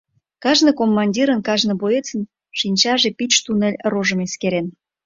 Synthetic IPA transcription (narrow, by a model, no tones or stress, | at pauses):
kɑʒnəkomːɑnʲdʲiɾənkɑʒnə̆boet͡sə̆n | ʃinʲt͡ɕɑʒepit͡ɕt̪unĕlʲroʒə̆meskeɾen